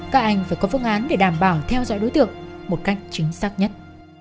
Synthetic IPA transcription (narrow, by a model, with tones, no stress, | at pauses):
kaː˦˥k̚ʔa˧jŋ̟faː˧˩jkɔ˨˦vɨ̰˧˥əŋʔaː˨˦nɗe˧˨˩ɗaː˧˨˩mɓaː˧˩wt̪ʰɛ˧wzɔ̰˧˨jɗo˨˦jt̪ɨ̰˧˨əŋmo˨˩t̚ka˦˥jk̟̚t͡ɕï˨˦ŋ̟saː˦˥k̚ɲə˦˥t̚